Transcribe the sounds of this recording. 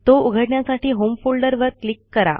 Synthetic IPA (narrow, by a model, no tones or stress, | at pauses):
t̪ouɡʱəɽɳjasaʈʰiːɦomfolɖəɾʋəɾklikːəɾa̰